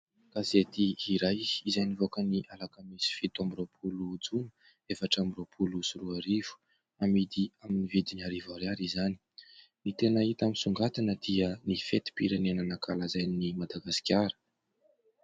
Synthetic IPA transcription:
ɡ̥azet̪iiɾajizajnivokəniʔalakamisi̥fit̪ambiropʰulud͡zunə | efaʈ͡ʂambiropʰulusuɾuaɾivu̥ | amid̪iaminivid̪inaɾivaɾjaɾizani̥ | nit̪enəit̪aminsuŋɡat̪inəd̪̥iənifet̪i̥piɾenenənakalazajnimad̪aɡasi̥kʲaɾə̥

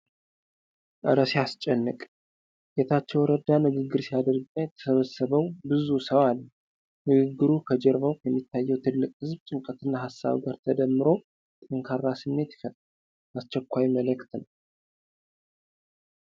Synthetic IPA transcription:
ʔɨɾəsjast͡ʃʼɛnːɨkʼ | jet̪ʰat͡ʃːɛwɾəd̪anɨɡɨɡːɨɾsijad̪əɾɡajɛt̪ʰːə̥səβəsːəβəwbɨzusəwalːə | nɨɡɨɡːɨɾukʰəd͡ʒɛɾβəwkʰjɛmːit̪ːajːɛwt̪ʰɨlːɨkʼɨzbt͡ʃʼɨŋkʼət̪ɨnːaɦasːa̰βɡaɾt̪ʰəd̪əmːɨɾo̞ | t̪ʼɨŋkʰarːasɨmːe̞t̪jɪ̥fət̪ʼ | ast͡ʃːɛkʷːajmələkt̪nəw

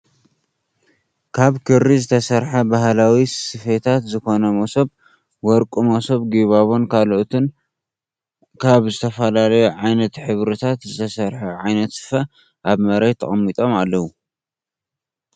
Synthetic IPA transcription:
kʰaβkʰɨɾizɨt̪ʰɐsɐɾħɐbaɦlawissɨfet̪ʰat̪zɨko̞nɐmosob̚ | wɔɾkʼumosoβɡiβaβo̞nkʰaloʔt̪ʰɨn | kʰaβzɨt̪ʰɐfɐlalɐjuʕajnɐt̪ħɨβɾɨt̪ʰat̪zɨt̪ʰɐsɐɾħɐʕajnɐt̪sɨ̥fɐ | ʔaβmɐɾejt̪ʰɐχʼɐmːit̪ʼo̞malːɐwu

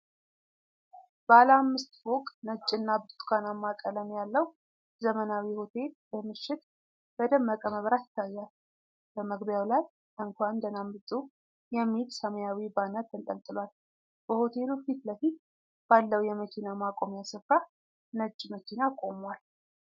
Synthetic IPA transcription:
b̥əaləamːɨst̪bokʼnət͡ʃʼːɨnːabt̪t̪ʼkʰanamːakʼələnjalːəw | zəmənawiho̞t̪ʰe̞lbəmɨʃːɪt̪̚ | b̥əd̪əmːəkʼəməβɾat̪ɪ̥t̪ʰːajːal | b̥əməɡbjawlaj | ɨŋkʷand̪ənambɨt̪ʼu | jɛmːit̪səmjawibanət̪ːɨnt̪ʼəlt̪ʼɨlwal | b̥əho̞t̪ʰe̞lufit̪ləfi | b̥alːəwjɛməkʰinamakʼo̞mjasəfɾa | nət͡ʃʼːməkʰinakʼo̞mwal

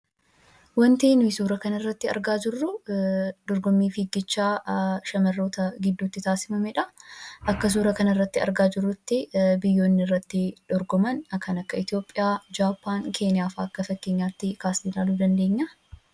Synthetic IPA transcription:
wɐnt̪iːnʊɪsuːɾɐkɐnɐɪrːɐt̪ːɪɐ̰ɾɡaːd͡ʒɪrːʊ | d̪̥ɔɾɡɔmːiːfɪɡɪt͡ʃːaːʃɐmɐrːo̞ːt̪ɐɡɪd̪ːut̪ːɪt̪aːsɪ̥mɐmɛᶑɐʔɐkːɐs̬uːɾɐkɐnɐɪrːɐt̪ːɪɐ̰ɾɡaːd͡ʒɪrːʊt̪ːɪbɪjːo̞ːnːɪɪrːɐt̪ːɪᶑ̪̥ɔɾɡɔmɐnɐkʰɐnɐkːɐɪt̪ɪjo̞ːpʼːɪjaːd͡ʒaːpʰːaːŋkʰe̞ːnɪjaːfaːɐkːɐfɐkːe̞ːɲːaːt̪ːɪkaːsnilaːluːd̪ɐnd̪e̞ːɲːɐ

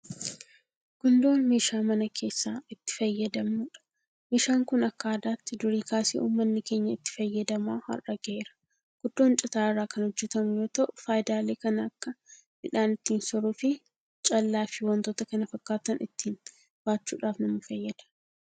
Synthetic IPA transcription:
ɡ̥ʊnd̪o̞ːnmeːʃaːmɐnɐkʰe̞ːsːaːɪt̪ːɪ̥fɐjːɐd̪ɐmnuːᶑɐ̥ | meːʃaːŋkʊnɐkːaːd̪aːt̪ːɪd̪ʊɾiːkaːsḛːʔṵːmːɐnːɪke̞ːɲːɐɪt̪ːɪ̥fɐjːɐd̪ɐmaːhɐ̰rɐɡɛʔeːɾɐ̥ | ɡ̥ʊd̪̥ːo̞ːnt͡ʃʼɪt̪aːɪrːaːkɐnhʊd͡ʒːɛt̪ɐmʊjo̞ːt̪ɐʔʊfaːjɪd̪aːle̞ːkɐnɐɐkːɐ | mɪᶑaːnɪt̪ːiːnsɔɾuːfɪ | t͡ʃʼɐlːaːfɪwɐnt̪oːt̪ɐkɐnɐfɐkːaːt̪ɐnɪt̪ːiːn | b̥aːt͡ʃːṵːᶑaːfnɐmɐfɐjːɐd̪ɐ̥

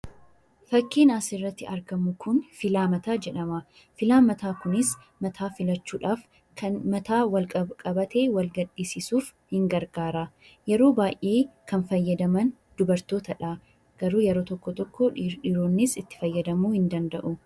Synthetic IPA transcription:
fɐkːiːnaːsɪrːɐt̪ːɪɐɾɡɐmʊkʰʊnfɪlaːmɐt̪aːd͡ʒɛᶑɐmɐ | fɪlaːnmɐt̪aːkʊnɪs | mɐt̪ʰaːfɪlɐt͡ʃːuːᶑaːf | kʰɐnmɐt̪aːwɐlkʼɐkʼɐbɐt̪e̞ːwɐlɡɐᶑːiːsɪsuːf | hɪŋɡɐɾɡaːɾaː | jɛɾo̞ːbaːjʔeːkɐnfɐjːɐd̪ɐmɐn | d̪̥ʊbɐɾt̪o̞ːt̪ɐᶑaː | ɡ̥ɐɾuːjɛɾoːt̪ɔkːɔt̪ɔkːoᶑᶑɪɾoːnːɪsɪt̪ːɪ̥fɐjːɐd̪ɐmuːhɪnd̪ɐnd̪ɐʔʊ

